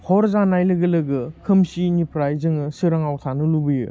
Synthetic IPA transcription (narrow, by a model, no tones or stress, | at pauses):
hʰɔɾzanajlɯɡɯlɯɡɯkʰɯmsinipʰɾajzɯŋɯsɯɾaŋawtʰanɯlubɯjɯ̰